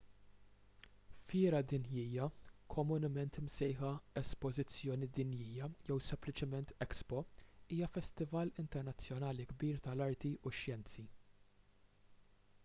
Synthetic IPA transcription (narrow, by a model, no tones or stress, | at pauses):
fɪːɾɐd̪ɪnjiːjɐkʰɔmʊnɪmɛnt̪ɪmsɛjħɐɛspɔzɪt͡sːjɔːnid̪ɪnjiːjɐjɛwsɛmplɪt͡ʃɪmɛnt̪ɛkspɔiːjɐfɛst̪ɪvɐlɪnt̪ɛɾnɐt͡sːjɔnɐːliɡbiːɾt̪ɐlɐɾt̪iʔʊʃjɛnt͡si